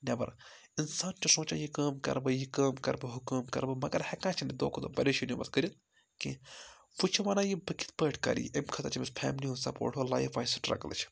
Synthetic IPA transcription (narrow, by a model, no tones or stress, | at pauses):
nʲɐbɐ̰ɾ | insaːnt͡ʃʰisõːt͡ʃa̰jikaːmkɐ̰ɾbɨjikɐːmkɐ̰ɾbɨɦukuːmkɐ̰ɾbɨmɐɡɐɾhekãːt͡ʃʰinid̪o̰ːkʰot̪obɐleʃʰinimɐ̰t̪kəɾʲit̪ | ki | fut͡ʃʰiʋaːnaːjibɨkʰi̥t̪̚pəːʈʰkɐ̰ɾḭemkʰɐt̪ɐt͡ʃʰimispʰɛ̰ːmlʲiɦũsɐpo̰ːʈʰolaːifaːisɨʈɾɐ̰klɨ̰t͡ʃʰ